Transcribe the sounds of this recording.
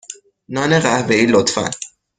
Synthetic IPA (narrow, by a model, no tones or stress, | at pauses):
nɒːneɣæhveiːlot̪fæ̰n